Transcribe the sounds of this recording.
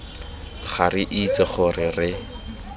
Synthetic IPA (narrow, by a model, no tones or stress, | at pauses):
χarɪʔit͡sɪχʊrɪrɪ